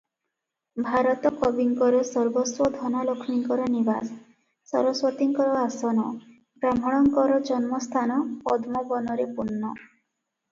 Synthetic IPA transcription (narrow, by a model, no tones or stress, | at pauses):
bʱaɾɔt̪ɔkɔbiŋkɔɾesɔɾbɔswɔd̪ʱɔnalɔkʰmiŋkɔɾɔnibas | sɔ̰ɾɔswɔt̪iŋkɔɾɔasɔnɔ | ɡɾam̤ɔɽ̃ɔŋkɔɾɔd͡ʒɔnmɔst̪ʰanɔpɔd̪mɔbɔnɔɾepunːɔ